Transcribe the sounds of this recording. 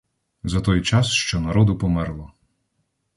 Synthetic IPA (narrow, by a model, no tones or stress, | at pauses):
zɐt̪ɔjt͡ʃɑsʃt͡ʃɔnɐɾɔd̪ʊpɔmɛɾlˠɔ